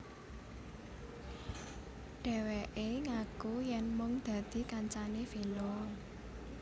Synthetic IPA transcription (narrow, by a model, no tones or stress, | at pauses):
ɖ̥ɛ̤wɛʔeŋakujɛnmʊŋd̪̥ä̤d̪̥i̤kaɲt͡ʃanefinɔ